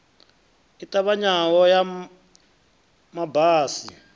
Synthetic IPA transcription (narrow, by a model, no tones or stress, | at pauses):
itʼaβaɲawɔja | mabaːsi